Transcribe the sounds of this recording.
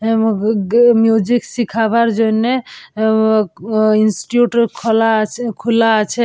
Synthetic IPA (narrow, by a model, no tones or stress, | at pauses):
mjud͡ʒiksikʰabaɾd͡ʒojne | insʈi̥ʈjuʈkʰlakʰulat͡ʃʰɛ